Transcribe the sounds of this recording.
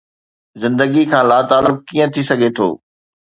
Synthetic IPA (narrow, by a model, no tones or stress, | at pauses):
zɪ̃nd̪əɡikʰãːlaːt̪aːlʊk̚kiːə̃t̪ʰisɐɡʱet̪ʰo̰ː